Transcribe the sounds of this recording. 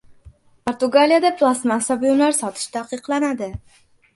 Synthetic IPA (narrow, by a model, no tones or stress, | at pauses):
pʰoɾt̪ʊɡalijad̪apʰlˠasmasabʊjʊmlaɾsɒt̪ʰɪ̥ʃt̪ʰaqʰɨqlˠanad̪ɪ